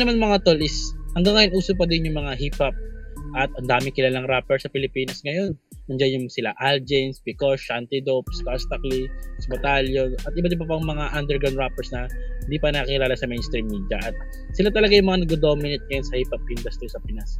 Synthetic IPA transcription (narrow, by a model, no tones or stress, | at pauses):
nɐmanmɐŋat̪olʔɪshɐŋɡaŋːɐjonʔuːsʊpɐd̪ɪnjʊŋmɐŋaɦipɐp̚ʔɐt̪ɐnd̪aːmɪŋkɪlalɐŋɾaːpɛɹsɐpɪlɪpiːnɐsŋɐjo̞n | mɐnd͡ʒanjʊŋsɪlaʔald͡ʒɛnspɪkoʃʔant̪ɪd̪op̚skast̪ɐklisbɐt̪aljonʔɐt̪̚ɪbat̪ɪbapɐŋmɐŋaʔɐnd̪ɛɹɡɾawnd̪ɾapɛɹsnɐhɪnd̪iːpɐnɐkɪlaːlɐsɐmejnst̪ɾimːiːd̪jɐʔɐt̪̚ | sɪlat̪ɐlɐɡajʊŋmɐanɐɡod̪o̞ːmɪnɪt̪̚ŋɐjo̞nsɐhipɐp̚ʔind̪ɐst̪ɾisɐpɪnɐs